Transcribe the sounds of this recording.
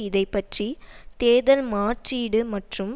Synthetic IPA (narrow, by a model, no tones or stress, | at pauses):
ɪðɐɪpːɐʈrit̪eːðɐlmaːʈriːɽɯmɐʈrɯm